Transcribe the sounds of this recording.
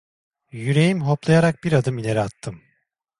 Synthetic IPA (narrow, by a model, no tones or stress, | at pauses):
jyɾe̞jimɦo̞plˠajaɾak̚b̥iɾad̪ɯmilʲe̞ɾiat̪ʰːɯm